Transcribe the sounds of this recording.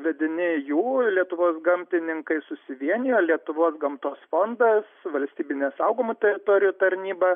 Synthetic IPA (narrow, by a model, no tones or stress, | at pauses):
ʋʲɛd̪ʲɪnʲɪjuːlʲiɛt̪ʊʋoːsɡɐmʲt̪ʲɪnʲɪŋkɐɪsʊsʲɪʋʲiɛnʲɪjoːlʲiɛt̪ʊʋoːsɡɐmt̪oːsfond̪ɐsʋɐlʲsʲt̪ʲiːbʲɪnʲeːsɐʊɡomʊt̪ʲɛɾʲɪt̪oːɾʲɪjut̪ɐɾʲnʲiːbɐ